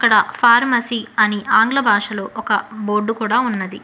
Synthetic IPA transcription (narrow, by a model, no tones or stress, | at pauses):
ɐkːɐɽɐpʰaːɾmɐsiːɐniʔaːŋɡlɐbʱaːʂɐlo̞ːʔɔkɐboːɾɖukuːɽaːunːɐd̪i